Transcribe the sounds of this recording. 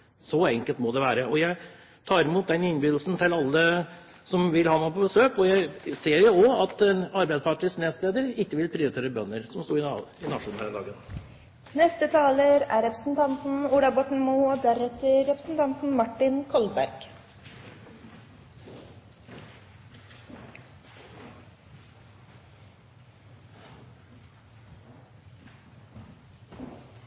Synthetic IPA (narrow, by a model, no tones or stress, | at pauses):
sɔɛŋkəlt̪mɔd̪ɛʋæːɾəʔɔjæɪ | t̪ʰɑːɾɪmuːt̪̚d̪ɛnɪnbyːd̪l̩snt̪ʰɪlɑlːə | sɔmʋɪlhɑnoːpʰɔbəsøːkɔjæɪseːɾjʊɔɑt̪ɛnɑɾbæɪd̪spʰɑʈɪsneːsleːd̪əɾɪkːəʋɪlpʰɾɪːʊɾɪt̪eːɾəbœnːəɾsɔmst̪uːɾɪɪnɑʂuːn̩hæːɾd̪ɑ̰ːɡən | nɛst̪ət̪ʰɑːləɾæɾɛpɾəsn̩t̪ʰɑnt̪n̩uɖɑbɔʈɳ̩muːoːd̪æɾɛt̪əɾɛpɾəsn̩t̪ʰɑnt̪n̩mɑʈːɪnkʰɔlbæ̰ɾɡ̥